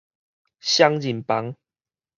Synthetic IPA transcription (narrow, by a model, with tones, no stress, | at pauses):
ɕja˦ŋd͡ʑi˨mpa˨˦ŋ